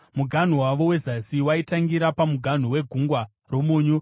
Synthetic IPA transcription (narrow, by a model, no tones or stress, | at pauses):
muɡʱan̤uwaʋo̞we̞zasiwaitaŋɡiɾapamuɡʱan̤uwe̞ɡʱuŋɡwa | ro̞muːɲu